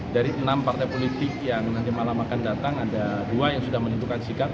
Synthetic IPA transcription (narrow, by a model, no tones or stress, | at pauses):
daɾiʔənampart̪ajpolit̪ɪkjaŋnant̪imalamakandat̪aŋadaduajaŋsudahmənint̪ukansikat̪̚